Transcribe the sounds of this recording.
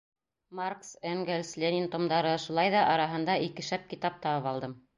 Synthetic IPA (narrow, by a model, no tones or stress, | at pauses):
marksæŋɡelʲslʲenʲint̪omd̪ɑɾɤʃulˠɑjðɑʔɑɾɑɦɤ̆nd̪ɑikɘ̆ʃæp̚kit̪ɑp̚t̪ɑβɤpɑlˠd̪ɤm